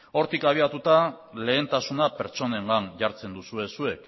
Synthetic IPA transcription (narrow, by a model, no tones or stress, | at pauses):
o̞ɾt̪ikaβ̞iat̪ut̪a | le̞ːnt̪asunape̞ɾt͡ʃo̞ne̞ŋɡanʝaɾt͡se̞nd̪usue̞sue̞k